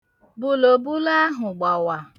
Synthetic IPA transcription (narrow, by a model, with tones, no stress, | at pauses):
bʊ˦lo˨bʊ˦la˦ɦʊ˨ɡ͡ba˨wa˨